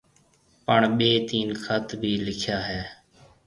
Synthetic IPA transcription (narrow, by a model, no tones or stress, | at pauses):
pəɳɓeːt̪iːnkʰət̪bʱiːlɪkʰjaːɦɛː